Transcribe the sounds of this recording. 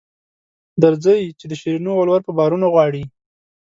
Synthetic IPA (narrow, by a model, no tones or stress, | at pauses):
d̪əɾzəjt͡ʃed̪əʃiɾinualwaɾpəbɑɾunoɣwɑɽi